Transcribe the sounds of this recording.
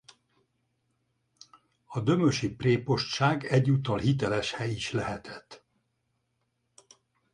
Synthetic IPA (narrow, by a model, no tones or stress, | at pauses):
ɒd̪ø̞møʃipreːpo̞ʃt̪ʃaːɡɛɟːut̪ːɒlhit̪ɛlɛʃhɛjiʃlɛɦɛt̪ʰɛ̥t̪ː